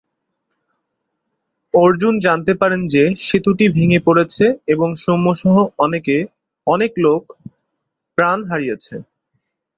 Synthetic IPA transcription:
oɾd͡ʑund͡ʑant̪epaɾend͡ʑeʃit̪uʈibʱiŋepoɽet͡ɕʰeeboŋʃomːoʃɔɦoɔneke | ɔneklok | pɾanɦaɾijet͡ɕʰe

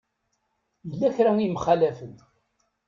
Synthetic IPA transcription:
jəlːæçɾawimχælæfən

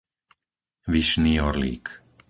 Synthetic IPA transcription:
ʋiʃniːɔɾlḭːk

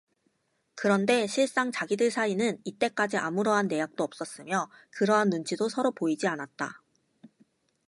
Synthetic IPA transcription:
kɯɾʌnde̞ɕʰiɭs͈aŋt͡ɕaɡidɯɭsʰainɯnit͈e̞k͈ad͡ʑiʔa̰muɾʌɦanːe̞jak̚t͈oʌp̚s͈ʌs͈ɯmjʌkɯɾʌɦanːunt͡ɕʰidosʰʌɾopoid͡ʑianat̚t͈a̰

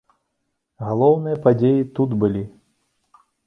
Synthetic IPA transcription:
ɣalˠɔwnɨjɐpad͡zʲejit̪ud̪bɨlʲi

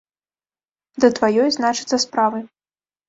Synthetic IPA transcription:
d̪ɐt̪vajɔjznat͡ʂɨt̪sɐspɾavɨ

